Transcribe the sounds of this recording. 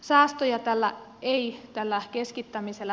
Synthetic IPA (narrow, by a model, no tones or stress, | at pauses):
sɑːst̪ojɑt̪ælːæ̰eit̪ælːækeskit̪ːæmiselːæ